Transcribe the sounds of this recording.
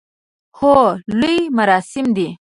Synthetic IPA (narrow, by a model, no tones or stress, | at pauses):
holujmaɾɑsɪmd̪i